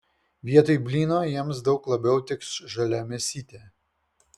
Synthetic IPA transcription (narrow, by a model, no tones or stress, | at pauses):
ʋʲiɛt̪oɪbʲlʲiːnoːjiɛms̬d̪ɒʊklˠɐbʲɛʊt̪ʲɪksʒɐlʲɛmʲɛsʲiːt̪ʲeː